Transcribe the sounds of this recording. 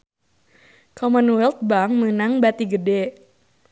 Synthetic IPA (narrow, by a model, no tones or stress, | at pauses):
kʰɔmanuwɛlt̪̚baŋmənaŋbat̪iɡədɛ